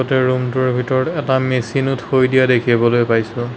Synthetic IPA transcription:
ɔtɛɹumtʊɹbʱitɔɹɔtɛtamesinuthojdijadekʰibɔlojpajsʊ̃

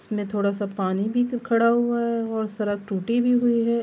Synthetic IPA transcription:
smẽt̪ʰoːɽasapaːnibʱikʰɐɽaɦʊaɦɛɔːɾsɐɾəɡ̚ʈuːʈibʱiɦʊiɦɛː

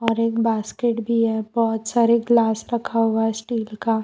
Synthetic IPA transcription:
ɔːɾeːkbaːskeʈbʱiɦɛbɔːʊt̪saːɾeklaːsɾɐkʰaɦuaɦɛsʈiːlkaː

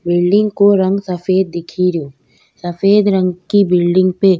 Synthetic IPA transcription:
bɪlɖɪ̃ŋɡkoɾə̃ŋɡsəfeːd̪̚ːɪkʰiɾjoː | sɐfeːd̪ɾə̃ŋɡkibɪlɖɪ̃ŋɡpe

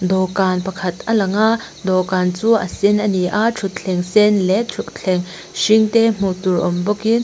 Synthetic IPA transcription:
d̪ɔkanpɐkʰɐt̪ʔɐlɐŋaʔ | d̪ɔkaːnt͡suʔɐ̰sinʔɐniʔaʈ͡ʂʰut̪̚t͡ɬʰɬʰɛŋsɛnlɛt͡ʃʰuʔ̚t͡ɬʰɛŋ | ʃiŋt̪ɛm̥ut̪urʔɔmbɔkin

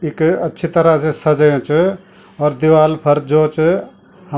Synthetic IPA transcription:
ikətːʃʰit̪əɾasesəd͡ʒəjõt͡ʃʰ | ɔːɾd̪iwalpʰəɾd͡ʒot͡ʃ | hə

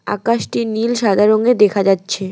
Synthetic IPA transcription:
a̰kaʃʈinilʃad̪ʱaɾoŋed̪ekʰad͡ʑatːɕʰe

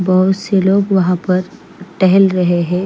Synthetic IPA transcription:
bɐɦʊt̪seloːɡʋɐɦãpɐɾ | ʈɛɦɛlɾɐɦeɦɛ̃ː

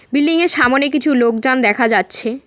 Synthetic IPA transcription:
bilːiŋeɾʃamonek̬it͡ɕʰulok̚d͡ʑand̪ɛkʰad͡ʑatːɕʰe

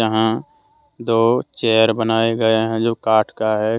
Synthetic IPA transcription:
əɦã | d̪oːt͡ʃɛːəɾbənaːeɡɐeɦɛ̃d͡ʒoːkaːʈʰkaɦɛ

